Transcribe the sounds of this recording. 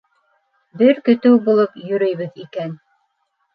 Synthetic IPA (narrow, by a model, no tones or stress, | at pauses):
bɘɾkɵ̆t̪ɘwbulˠɤpjɵ̆ɾɘ̆jβɘðikæn